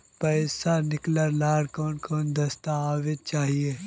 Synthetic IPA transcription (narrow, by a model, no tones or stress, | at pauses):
pɐːsanɪkləɾlaːɽkɔːnkɔːnd̪ɐst̪aaːʋet͡ʃaːɦie